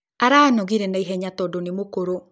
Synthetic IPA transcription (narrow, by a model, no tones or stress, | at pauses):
aɾaːnɔɣiɾɛnaiɦɛɲatɔdonemokoɾo